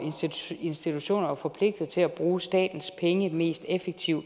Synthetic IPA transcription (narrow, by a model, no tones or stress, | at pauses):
e̝nsd̥it͡sʰuɕo̝̰ːnɐfɒ̽pʰle̝ɡ̥̚d̥ɐt͡sʰe̝læb̥ʁuːsd̥ɛ̰ːd̥n̩spʰeŋəme̝̰ːsd̥efeɡ̥̚t͡sʰiʊ̰